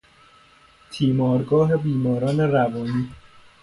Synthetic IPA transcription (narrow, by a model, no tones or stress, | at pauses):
t̪ʰiːmɒːɾɡɒːɦe̞biːmɒːɾɒːne̞ɾævɒːniː